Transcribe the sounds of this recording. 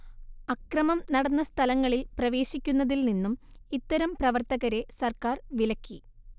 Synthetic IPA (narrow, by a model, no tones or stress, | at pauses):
ɐkrɐmɐmnɐɽɐnːɐst̪ʰɐlɐŋːɐɭilprɐʋe̞ːɕikʲːunːɐðilninːumit̪ːɐɾɐmprɐʋɐrt̪ɐɣɐɾe̞sɐrkaːrʋilɐkʲːi